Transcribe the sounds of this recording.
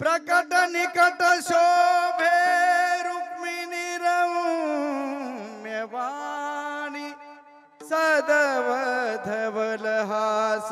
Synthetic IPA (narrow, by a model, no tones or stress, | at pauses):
pɾɐkɐt̪ɐnikɐt̪ɐʃoːbʱeɾukminiɾɐwu | mjɐʋa | ni | sɐd̪ɐʋɐd̪ʱɐʋɐlɐɦas